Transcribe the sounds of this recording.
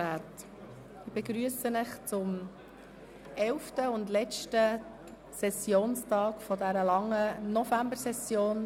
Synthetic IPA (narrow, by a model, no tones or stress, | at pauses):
æt | ɪb̥ɛɡɾyəsənəχt͡sʊm | ɛlftəʊndlɛt͡ʃtə | sɛsjoːnstɑːkfɔdæɾəlɑŋːənɔfæmbəɾsɛsjoːn